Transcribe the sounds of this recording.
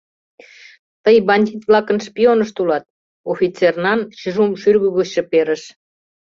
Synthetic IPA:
t̪əjbɑnʲd̪ʲit̪vlɑkə̆nʃpionəʃt̪ulɑt̪̚ | ofʲit͡sernɑnɕyʒumʃyrɣəɣuɕɤ̆peɾə̆ʃ

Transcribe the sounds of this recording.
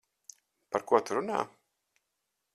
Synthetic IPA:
paɾkuɔt̪uɾuna̰ː

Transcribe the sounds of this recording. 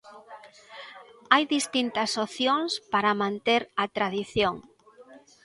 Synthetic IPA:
ajðist̪int̪ɐsoθjoŋspaɾɐmãnt̪eɾɐt̪ɾaðiθjoŋ

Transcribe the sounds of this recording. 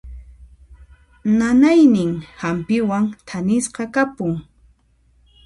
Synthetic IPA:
nanajnɪŋhampɪwaŋt̪ʰanɪsqɑkapʊŋ

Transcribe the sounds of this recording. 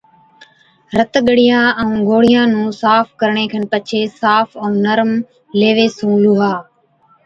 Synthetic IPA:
ɾət̪ɠəɽɪjãːɛũːɡʱoːɽ̤ɪjãːnũːsaːfkəɾɳeːkʰənpət͡ʃʰeːsaːfʰə̃ːnəɾm | leːʋeːsũːluːɦaː

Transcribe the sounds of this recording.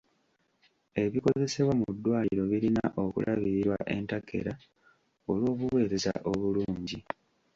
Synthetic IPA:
e̞βiko̞ze̞se̞βwamudːwaːiiɾo̞βiɾinaʔo̞kṵlʔaβiɾiɾwaʔe̞̰ntakʰːe̞̰ɾa | o̞lwo̞ːβuwe̞ːɾe̞za̰ʔo̞βuluːɲɟi

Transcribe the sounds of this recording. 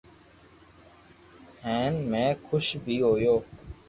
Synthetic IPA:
hẽːnmẽːkʰʊʃbʱiːɦoːjoː

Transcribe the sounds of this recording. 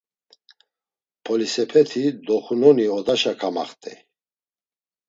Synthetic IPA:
pʰɔlisɛpʰɛt̪ʰid̪ɔχunɔniɔd̪aʃakʰama̰χt̪ʼɛ̰

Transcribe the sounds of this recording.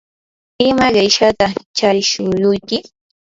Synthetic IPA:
ɪmaɢejʃat̪at͡ʃaɾɪʃʊjʊjkɪ

